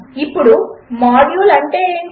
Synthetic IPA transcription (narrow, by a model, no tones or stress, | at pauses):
ipːuɽumaːɽjuːlɐɳʈeː